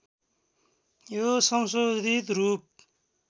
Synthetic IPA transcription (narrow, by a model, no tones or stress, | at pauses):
josʌmsod̪ʱit̪ɾup̚